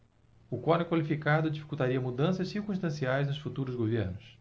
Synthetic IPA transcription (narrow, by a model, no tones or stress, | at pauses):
ʊkwɔnɛkwalifikad̪ʊd͡ʒifi̥kuwt̪aɾiɐmud̪ɐ̃sɐssiɾkũʃt̪ɐ̃siajznʊsfut̪uɾʊzɡoveɾnʊs